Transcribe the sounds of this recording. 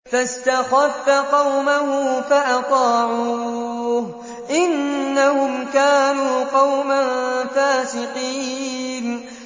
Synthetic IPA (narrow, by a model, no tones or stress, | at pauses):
fast̪axafːaqɑwmahʊːfaʔɑt̪ˤɑːʕu | h | ʔɪnːahʊmkaːnuːqɑwmanfaːsɪqiːn